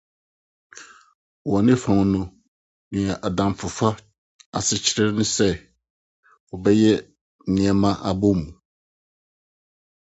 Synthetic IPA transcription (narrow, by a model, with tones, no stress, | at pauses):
wɔ˨nɪ̃˦fã˨n˨nʊ̃˦ | nɪ̃˨ɛ˨ʔa˨dã˨m˨fʊ˨fa˦ | a̰˨sɪ˦t͡ɕʰɪ˦ɾɛ˦nʊ̃˦sɛ˦ | wɔ˨bɛ˦jɛ˦˨ | nɪ̃˨ɛ˦mã˦ʔa˨bʊ˦mũ˨